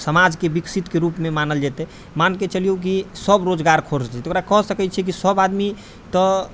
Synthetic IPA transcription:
səmad͡ʒkebiksit̪keɾupmemanəld͡ʒɛt̪ɛ | manket͡ʃəlijok̬isəbɾod͡ʒɡaɾkʰoɾd͡ʒɛt̪okɾakəɦsəkɛt͡ʃʰɛk̬isəbad̪mi | t̪ɔ

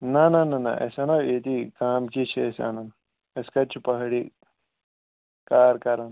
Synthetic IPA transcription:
nɐnɐnɐnɐ̰ʔḛsɐnɐet̪ikaːmkit͡ʃʰesa̰nɐn | ɐskɐt͡ʃʰipɐɦɽi | kaːɾkɐɾɐn

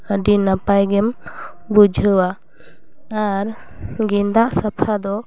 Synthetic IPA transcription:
əɖinapajɡɛmbud͡ʒʱəwa | aɾɡind̪aʔsapʰad̪ɔ

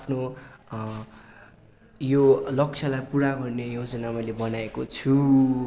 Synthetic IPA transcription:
apʰno | jolʌk̚t͡sʰʌlajpuɾaɡʌrnejod͡zʌnamʌjlebʌnaekot͡sʰu

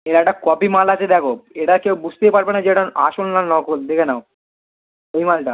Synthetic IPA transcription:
eɾaʈakɔbimalat͡ʃʰed̪ɛkʰoeʈakewbud͡ʑʱt̪epaɾbenad͡ʑeʈaa̰ʃonːanɔkold̪ekʰenao | ejmalʈa

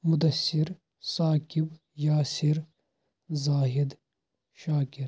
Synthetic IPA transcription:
mʊd̪ɐsːɪɾ | saːkɪb | jaːsɪɾ | zaːɦɪd̪ | ʃaːkɪɾ

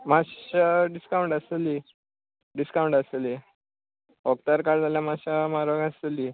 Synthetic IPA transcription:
maɕaɖiskawɳʈəseli | ɖiskauɳʈəseli | ɔkt̪əɾkaɽd͡zaljamaɕamaɾʋəɡaseli

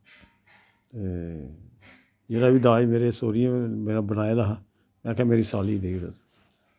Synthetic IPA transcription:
t̪eː | d͡ʒeːɾaːʋiːd̪aːimeːɾeːsoːɾɪjãːmeːɾãːbənaːeːd̪aːɦ | mɛ̃ːkʰɛ̃ːmeːɾiːsaːliːd̪eːɾa

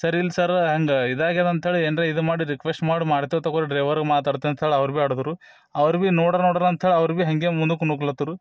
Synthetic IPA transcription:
sɐɾilːsɐɾɦɐŋɡɐid̪aːɡed̪ɐnt̪ɐɦeɭeeːnɾeid̪umaːɽiɾikʋesʈmaːɽimaːɽt̪eʋt̪ːɐkoɾiɖɾeːʋɐɾɡmaːt̪aːɽt̪ɐɐnt̪ɐɦeːɭeɐʋɾbiaːɽud̪uɾu | ɐʋɐɾbinoːɽɐɾnoːɽɐɾɐnt̪ɐɦeːɭeɐʋɾubiɦɐŋɡemund̪ukunukɭɐt̪ːuɾu

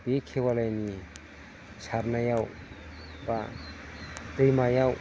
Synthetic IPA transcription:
bekʰewalajni | saɾnajaw | ba | dɯjmajaw

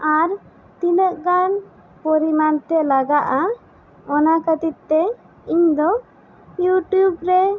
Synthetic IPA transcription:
aɾ | t̪inəʔɡan | pɔɾimant̪ɛləɡaʔa | ɔnakət̪it̪t̪ːɛ | iɲd̪ɔ | juʈjubɾɛ

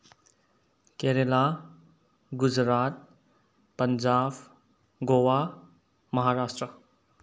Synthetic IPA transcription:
keːɾela | ɡud͡ʒɾaːt̪̚ | pəɲd͡ʒaːb | ɡowa | mɐɦaːɾaːsʈɾə

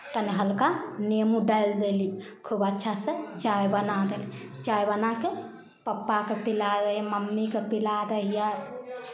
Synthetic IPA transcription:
t̪əniɦəlkanemuɖajld̪eli | kʰubətːʃʰasət͡ʃajbənad̪eli | t͡ʃajbənake | pəpːakepilaɾəɦjməmːikepilad̪əɦija

